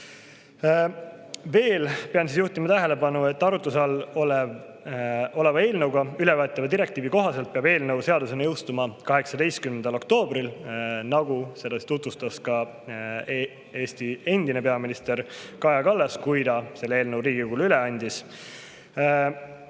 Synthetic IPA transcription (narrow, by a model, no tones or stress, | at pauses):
ve̞ːlpeɑnsisjuht̪imɑt̪æɦe̞le̞bɑnue̞t̪ːɑɾut̪ːˑusɑlːolev | o̞le̞vɑe̞ːlnəwɡ̥ɑyle̞vøːt̪ːˑɑvɑd̪iɾe̞kt̪iːviko̞ɦɑse̞lt̪̚peɑbe̞ːlnəwse̞ɑd̪use̞nɑjɤwst̪umɑkɑɦe̞ksɑd̪e̞jst̪kymːend̪̥ɑlo̞kt̪o̞ːbɾilnɑɡuse̞d̪ɑsit̪ut̪vust̪ɑskɑ | e̞ːst̪ie̞nd̪ine̞peɑminist̪e̞ɾkɑjɑkɑlːeskujd̪ɑse̞lːeeːlnəwɾiːɡiɡulyle̞ɑnʲd̪is